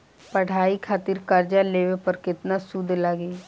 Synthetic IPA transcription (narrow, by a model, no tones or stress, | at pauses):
pɐɽ̤aːikʰaːt̪ɪɾkɐɾd͡ʒaleːʋepəɾkɪt̪nasʊd̪ʱləɡeː